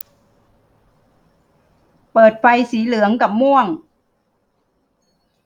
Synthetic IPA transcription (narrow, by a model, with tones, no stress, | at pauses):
pɤː˨˩t̪̚fa˧jsiː˩˦lɯ˨˩˦əŋka˨˩p̚mu˥˩əŋ